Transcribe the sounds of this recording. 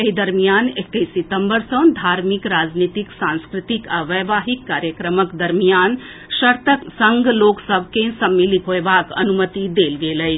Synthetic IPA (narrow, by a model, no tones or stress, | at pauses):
ɐɦid̪ɐɾmijaːnek̚ʈejsit̪ə̃mbəɾsə̃d̪ʱaːɾmikɾaːd͡ʒniːt̪iksãnskɾɪt̪ikaʋəʋaːɦikːaːɾjəkɾəməkd̪ɐɾmijaːn | ʃɐɾt̪ʰəksə̃ŋɡloːksəbʱkẽsɐmːilit̪ɦoebaːkɐ̰numət̪id̪eːlɡeːləj